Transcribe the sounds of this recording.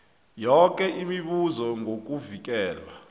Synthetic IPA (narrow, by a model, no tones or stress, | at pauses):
jɔk̬ʼɛʔimiɓuzɔŋok̬ʼuvik̬ʼɛːlwa